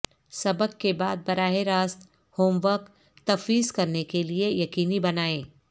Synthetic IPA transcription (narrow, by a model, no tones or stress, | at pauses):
sɐbəkːebaːd̪̚bɐɾaːɦeɾaːst̪ | hoːmʋək | t̪ɐfiːzkɐɾnekeliejɐkiːnibɐnaːẽː